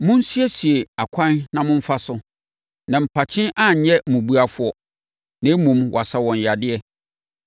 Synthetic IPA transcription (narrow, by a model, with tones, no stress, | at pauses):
mʊ̃˦n̩˦si˦ɛ˦si˨e˨a˨kʷʰã˦nnã˨mʊ̃˦ɱ̩˦fa˦sʊ˦ | nã˨m̩˨pʰa˨t͡ɕʰɪ̃˦nʔã˦˨ɲ˨ɲɛ˦mũ˨bu˦a˦fʊ˦ɔ˦ | nã˨˦mũ˨mwʔa˨sa˨wɔ̃˨ɲ˨ja˨dɪ˦ɛ˦